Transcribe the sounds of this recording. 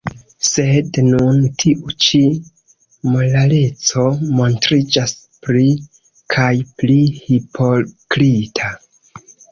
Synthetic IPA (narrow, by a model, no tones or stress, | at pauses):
se̞dnuntʰiʔut͡ʃi | molale̞t͡so̞mo̞ntɾid͡ʒas | pɾi | kʰajplihipʰo̞kɾitʰa